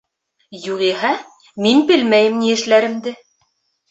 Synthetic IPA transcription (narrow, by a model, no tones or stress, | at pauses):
juʁiɦæ | minbɘlmæjɘmniɘ̆ʃlæɾɘ̆md̪ɘ